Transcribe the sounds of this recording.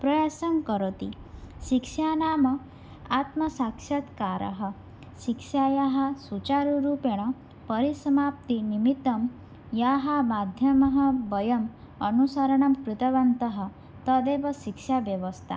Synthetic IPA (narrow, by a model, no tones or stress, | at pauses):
pɾɐjaːsɐmkɐɾot̪i | ʃikʂjaːnaːmɐ | aːt̪mɐsaːkʂɐt̪kaːɾɐ̰ɦɐ̆ | ʃikʂjaːjaɦɐ̆sut͡ʃaːɾuɾuːpjɐɳ̃ɐ | pɐɾisɐmaːp̚t̪inimit̪ːɐm | jaːɦɐmaːd̪ʱjɐmɐɦɐ̆bɐjɐm | ɐnusaɾɐɳ̃ɐmkɾut̪ɐʋɐnt̪ɐɦɐ̆ | t̪ɐd̪eːʋɐʃikʂjaːʋjɐʋɐst̪ʰa̰